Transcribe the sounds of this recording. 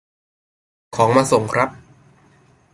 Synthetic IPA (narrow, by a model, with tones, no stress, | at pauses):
kʰɔː˩˦ŋmaː˧so˨˩ŋkʰɾa˦˥p̚